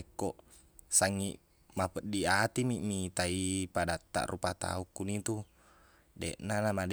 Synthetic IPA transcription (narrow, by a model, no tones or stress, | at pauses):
ekːoʔ | saŋːiʔ | mapəʔdiat̪imiʔmit̪aipadat̪ːa̰ʔrupat̪a̰ukːunit̪u | deʔnanamad